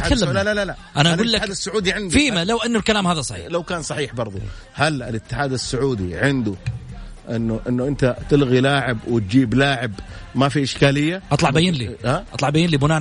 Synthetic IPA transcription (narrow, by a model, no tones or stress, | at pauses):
klːmlalala | ʔanaʔaɡuːlːakaːsːʊʕuːd̪iʕɪnd̪fiːmalawʔanːʊlkalaːmhaːðasˤɑħḭːlawkaːnsˤɑħiːħbɑɾˤðˤu | halɪlɪt̪ːɪħaːd̪asːʊʕuːd̪iʕɪnd̪ʊ | ʔɪnːʊʔɪnːʊʔɪnt̪at̪ɪlɣilaːʕɪbwɪt̪̚d͡ʒiːblaːʕɪbmafiʔɪʃkaːlɪjːaʔɑt̪ˤlɑʕbajɪnliaʔɑt̪ˤlɑʕbajɪnlibʊnaː